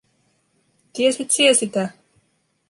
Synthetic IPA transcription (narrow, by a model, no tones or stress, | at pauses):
t̪iesit̪siesit̪æ